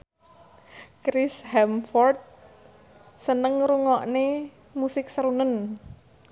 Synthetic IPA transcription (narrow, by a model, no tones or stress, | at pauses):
kɾɪshɛmfɔrt̪̚ | sənəŋɾuŋɔʔne | musɪk̚səɾunən